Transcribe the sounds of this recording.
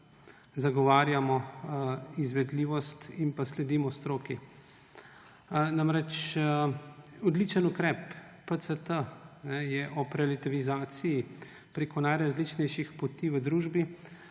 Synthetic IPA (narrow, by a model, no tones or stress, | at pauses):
zaɡɔʋaːɾjamɔ | izʋɛd̪liːʋɔst̪inpaslɛd̪iːmɔst̪ɾoːki | namɾɛt͡ʃ | ɔd̪lit͡ʃənukɾɛpː | ət̪sət̪ənɛjɛʔɔpɾɛlit̪iʋizaːt̪siji | pɾeːkɔnajɾazlit͡ʃnɛjʃixpɔt̪iːʋəd̪ɾuːʒbi